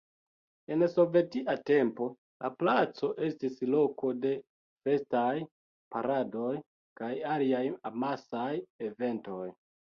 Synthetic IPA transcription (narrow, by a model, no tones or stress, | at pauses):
e̞nso̞ve̞tiʔate̞mpo̞ | la̰plat͡so̞ʔe̞stislo̞ko̞de̞ | fe̞staj | paɾado̞j | kajaliajamasajeve̞nto̞j